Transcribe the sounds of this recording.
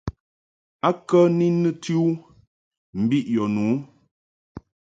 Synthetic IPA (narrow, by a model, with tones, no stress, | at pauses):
a˦kə˦ni˦nɨ˦ti˦u˦ | m̩˨bi˦ʔjɔ˨nu˨˦